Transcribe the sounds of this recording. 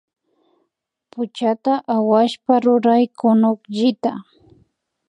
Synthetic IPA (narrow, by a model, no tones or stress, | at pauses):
pʊt͡ʃat̪aʔawaʃpaɾʊɾajkʊnʊkʎɪt̪a